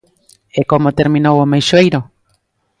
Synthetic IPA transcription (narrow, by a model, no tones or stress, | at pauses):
ekomot̪eɾmĩnowomejʃoejɾo